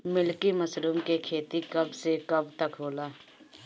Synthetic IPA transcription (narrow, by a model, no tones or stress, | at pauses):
mɪlkiməsɾuːmkekʰeːt̪ikɐbsekɐbt̪əkɦoːlaː